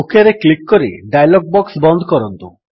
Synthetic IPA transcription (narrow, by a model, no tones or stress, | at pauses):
ukʰaɾeklikːɔɾiɖajlɔɡ̚bɔksbɔnd̪ʱɔkɔɾɔnt̪u